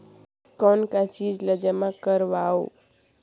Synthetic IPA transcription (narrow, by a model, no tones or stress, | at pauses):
kɔnkat͡ʃid͡ʒləd͡ʒamãkəɾʋao̰